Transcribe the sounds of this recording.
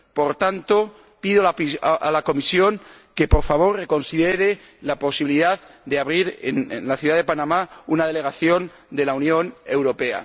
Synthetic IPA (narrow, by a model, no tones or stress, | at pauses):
po̞ɾt̪ant̪o | piðoa̰lako̞misjo̞ŋ | ke̞poɾfaβ̞o̞rre̞ko̞nsiðeɾe | lapo̞siβiliðaðd̪eaβɾiɾḛnnlaθjuðaðe̞panãmaunað̞e̞le̞ɣ̞aθjo̞n | d̪e̞launjõ̞ne̞wɾo̞pe̞a̰